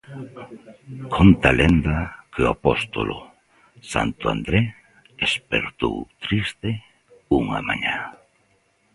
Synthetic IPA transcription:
kʰont̪alend̪akʰeoapost̪o̰lʔo̰ | sa̰nt̪ʊa̰nd̪ɾe | espeɾt̪owt̪ɾist̪e | uŋa̰maɲa

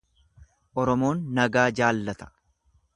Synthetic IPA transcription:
ʔɔɾɔmo̞ːnːɐɡaːd͡ʒaːlːɐt̪ɐ̥

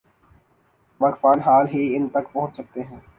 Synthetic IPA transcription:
ʋɐkfaːnɦaːlɦiɪnt̪ɐkpɐ̃ɦʊ̃t͡ʃsɐk̚t̪eɦɛ̃ː

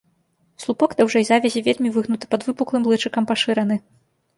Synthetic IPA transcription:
slˠupɔɡd̪awʐɛjzavʲɐzʲivʲelʲmʲivɨɣnut̪ɨ̥pɐd̪vɨpuklˠɨmlˠɨt͡ʂɨkɐmpaʂɨɾɐnɨ

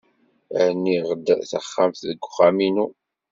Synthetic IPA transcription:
nːiʁd̪θə̰χːamθðəɡʷːχaminu

